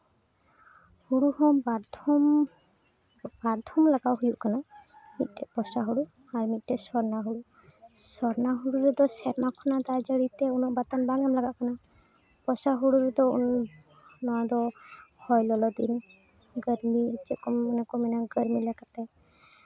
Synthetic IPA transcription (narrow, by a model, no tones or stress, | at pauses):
huɽuhɔmbaɾd̪ɔm | baɾd̪ʰʱɔmlaɡawɦujuʔkanamit̪̚ˀʈɛpɔsaɦuɽu | aɾmit̪̚ʈɛsɔɾnaɦuɽu | sɔɾnaɦuɽuɾɛd̪ɔsɛɾmakʰɔnad̪ad͡ʒəɽit̪ɛunɔʔbat̪anbaŋamlaɡaʔkana | pɔsaɦuɽuɾɛd̪ɔṵn | nɔad̪ɔhɔjlɔlɔd̪ḭn | ɡəɾmiit͡ʃɛkɔmːɔnɛkɔmɛnaɡəɾmilɛɡat̪ɛ